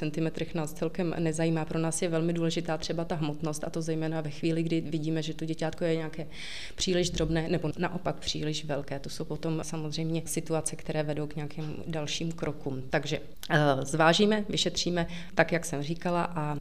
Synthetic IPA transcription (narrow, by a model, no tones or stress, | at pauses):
t͡sɛnt̪ɪmɛt̪ɾɛxnaːst͡sɛlkɛmnɛzajiːmaːpɾo̞naːsjɛvɛlmɪduːlɛʒɪt̪aːt̪r̥ɛbat̪aɦmot̪no̞st̪ʔat̪o̞zɛjmɛːnavɛxviːlɪɡdɪvɪɟiːmɛʒɛt̪oɟɛcaːt̪ko̞jɛɲakɛː | pr̥iːlɪʒd̪ɾo̞bnɛːnɛbo̞naʔo̞pak̚pr̝̥iːlɪʃvɛlkɛːt̪o̞so̞wpo̞t̪o̞msamozr̝ɛjmɲɛsɪt̪uat͡sɛkt̪ɛɾɛːvɛdowkɲɛakim | dalʃiːmkɾʔokuːmt̪aɡʒɛ | zvaːʒiːmɛvɪʃɛt̪r̝̥iːmɛ | t̪akjaksɛmriːkalaʔa